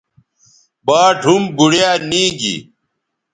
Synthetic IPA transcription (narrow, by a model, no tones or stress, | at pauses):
baːɖʱumbuɽjaːnĩːɡḭ